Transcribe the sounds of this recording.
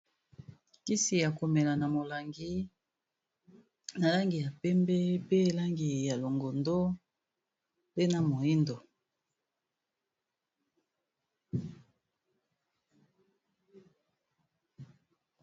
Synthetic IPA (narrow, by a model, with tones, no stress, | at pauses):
ki˦si˨ja˨ko˨mɛ˨la˨na˨mo˨la˨ŋɡi˦ | na˨la˦ŋɡi˨ja˨pɛ˦mbɛ˦pe˦˨la˦ŋɡi˨ja˨lo˨ŋɡo˨ndo˦ | pe˦na˨mo˨i˦ndo˨